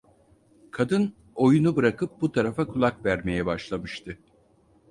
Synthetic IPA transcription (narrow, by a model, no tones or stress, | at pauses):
kʰad̪ɯn | o̞junubɯɾakɯp̚but̪ʰaɾafakʰulˠakvæɾme̞jɛbaʃlˠamɯʃt̪ʰɯ